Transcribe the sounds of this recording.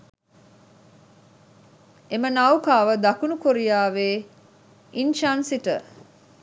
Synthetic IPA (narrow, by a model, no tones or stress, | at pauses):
emənawkaːʋəd̪ɐkunukoɾijaːʋeː | inʃansiʈə